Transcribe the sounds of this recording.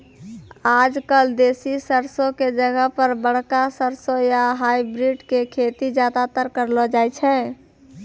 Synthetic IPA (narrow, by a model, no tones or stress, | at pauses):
ad͡ʒkəld̪esisəɾsõked͡ʒəɡəɦpəɾbəɽ̤kasəɾsojaɦajbɾiɖkekʰet̪id͡ʒad̪at̪əɾkəɾlɔd͡ʒajt͡ʃʰɛ